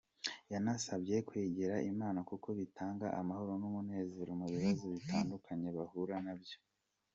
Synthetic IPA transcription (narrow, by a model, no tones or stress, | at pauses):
janasabje̞kweːɟeɾaʔimaːnakuko̞βitʰaːŋɡa̰ʔamaho̞ɾonumune̞ːziɾomuβiβazoβitʰaːndukʰaɲe̞βahuɾanabjo̞